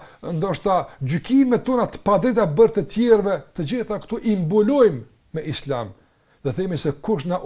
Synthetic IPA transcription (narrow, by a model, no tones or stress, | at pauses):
nd̪ɔʃt̪ad͡ʑykimɛt̪ɔnat̪ə̥pad̪ɛt̪abəɾt̪ət̪jɛɾvɛt̪əd͡ʑiθakt̪uʔimbulɔjmː | ɛʔislam | ðɛθɛmisɛkuʃnaʔ